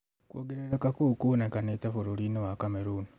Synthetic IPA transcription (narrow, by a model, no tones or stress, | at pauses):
kwoːɡeɾeɾekakukunekanetafuɾuɾinowakameɾuːni